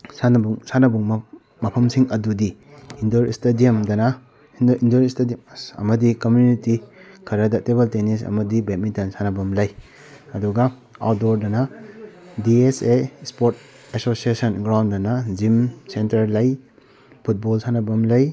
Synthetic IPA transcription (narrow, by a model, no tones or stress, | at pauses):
sanɐbuŋsanɐbuŋm | mɐpʰɐmsiŋɐdudiindoɾistediɐmdɐnɐ | indoɾistedimɐ̰mɐdikomjunitikʰɐɾɐdɐtebeltenisɐ̰mɐdibet̚midɐnsanɐbɐmlɐj | ɐduɡɐ | adoɾdɐnɐ | diesespoɾt̚ | esosiesɐnɡɾawndɐnɐzimsentɐɾlɐj | pʰut̚bɔlsanɐbɐmlɐj